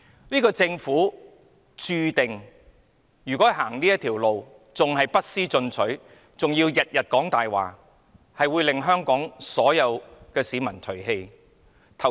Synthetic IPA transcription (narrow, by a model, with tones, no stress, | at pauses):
niː˥kɔː˧t͡sɪ˧ŋfuː˨˥ | t͡ʃyː˧t̪ɪ˨ŋ | jyː˨kʷɔː˨˥ɦaː˨˩ŋniː˥jɐ˥t̪ʰiː˨˩wlo˨w | t͡sʊ˨ŋɦɐ˨jpɐ˥t̚siː˥t͡sɵ˧nt͡sʰɵ˨˥ɥ | t͡sʊ˨ŋjiː˧wjɐ˨t̚jɐ˨t̚kɔː˨˥ŋt̪aː˨jwa̰ː˨˩ | hɐ˨jwuː˨˧jlɪ˨ŋɦœː˥ŋkɔː˨˥ŋsɔː˨˥jɐ˨˧wkɛː˧siː˨˥mɐ˨˩nt̪ʰɵ˨˩ɥhe˧j | t̪ʰɐ˨˩w